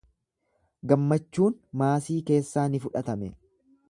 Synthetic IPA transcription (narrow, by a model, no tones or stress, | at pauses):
ɡɐmːɐt͡ʃːuːnmaːsiːke̞ːsːaːnɪfʊᶑɐt̪ɐmɛ